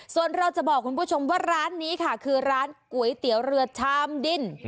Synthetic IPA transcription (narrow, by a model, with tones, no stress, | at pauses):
su˨˩ənɾa˧wt͡ɕa˨˩ʔbɔː˨˩k̚ʰːu˧npʰuː˥˩t͡ɕʰo˧mwaː˥˩ɾaː˦˥nːiː˦˥kʰa˥˩kʰɯː˧ɾaː˦˥nku˨˩˦ə˦jt̪i˩˦əwɾɯ˧ɐt͡ɕʰaː˧mdi˧˩n